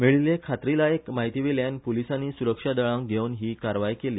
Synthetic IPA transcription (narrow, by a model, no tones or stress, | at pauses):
miɭilekʰat̪ɾilaekmaɦit̪iʋeljanpolisanːiːsuɾəkʂad̪əɭãŋkɡʱeunɦiːkaɾʋajkeliː